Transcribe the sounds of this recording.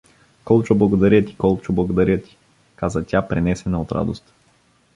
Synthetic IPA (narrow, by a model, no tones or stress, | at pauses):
kɔlˠt͡ʃoblˠɐɡod̪aɾət̪i̥kɔlˠt͡ʃoblˠɐɡod̪aɾʲət̪i̥ | kazət̪ʲapɾɛnɛsɛnəot̪ɾa̰d̪o̰st̪